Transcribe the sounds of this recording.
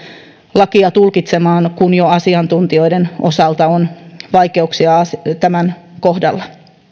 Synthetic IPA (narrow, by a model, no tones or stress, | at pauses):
lɑkiɑt̪ulkit̪semɑːnkunjoɑsiɑnt̪unt̪io̞ideno̰sɑlt̪ɑonʋɑikeuksiɑɑst̪æmænkohdɑlːɑ